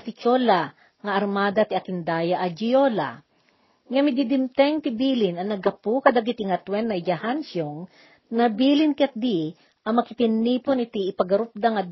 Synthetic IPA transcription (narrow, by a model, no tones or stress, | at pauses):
t̪ɪt͡ʃola | ŋɐʔɐɾmaːd̪ɐt̪iɐkɪnd̪aːjaʔɐd͡ʒɪjola̰ | ŋɐmɪd̪id̪ɪmt̪ɛŋt̪ɪbilɪnɐŋnɐɡɐpukɐd̪ɐɡit̪ɪŋɐt̪wɛnːɐd͡ʒahansjoŋ | nɐbiːlɪnkɛt̪̚d̪i | ʔɐŋmɐkɪp̪ɪniːponɪt̪iɪpɐɡɐɾʊp̚d̪aŋɐ